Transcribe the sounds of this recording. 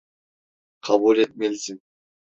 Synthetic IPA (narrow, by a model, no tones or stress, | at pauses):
qʰɑbulet̪̚melsɪn